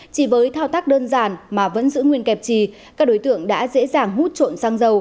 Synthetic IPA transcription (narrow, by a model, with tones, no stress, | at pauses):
t͡ɕi˧˩vəː˨˦jt̪ʰaː˧wt̪aː˦˥k̚ɗəː˧nzaː˨˩nmaː˨˩və̰˧˥nzɨ̰˧˥ŋwi˧ənkɛ˨˩p̚t͡ɕi˧˨˩ | kaː˦˥k̚ɗo˨˦jt̪ɨ̰˧˨əŋɗa̰ː˧˥zḛ˧˥zaː˨˩ŋɦu˦˥t̚t͡ɕo̰˧˨nsaː˧ŋzə˨˩w